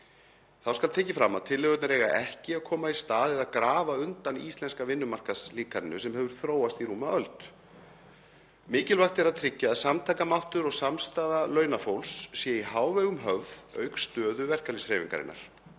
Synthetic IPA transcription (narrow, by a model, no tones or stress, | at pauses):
θawskalt̪ʰɛːcɪfɾamːaðt̪ʰɪlːɪɣœt̪naɾeːjɣaʔɛhcɪaðkʰɔːmaist̪aːðɪðaðkɾaːvaʏnt̪anḭst̪lɛnskavɪnːʏmar̥kasliːkaɾɪnːʏsɛmhɛvʏɾ̥θɾoːwast̪iɾuːmaœlt̪ | mɪːcɪlvaxt̪ɛɾaðt̪ʰɾɪcːaːðsamt̪ʰaːkamawht̪ʏɾɔɣsamst̪aːðalœːɥnafowlsːiɛihaːwvɛɣʏmɦœvðœ̰ːɥkst̪œːðʏvɛr̥kalisɾeːjviŋka̰ɾɪ̰nːa̰ɾ̥